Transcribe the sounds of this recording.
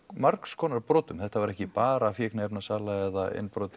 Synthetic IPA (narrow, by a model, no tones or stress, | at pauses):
maɾkskʰɔːnaɾpɾɔːt̪ʏmθɛht̪avaɾɛhcɪpaːɾaːfjɛːknaɛpnasaːlaɛðaɪ̰nːpɾɔːt̪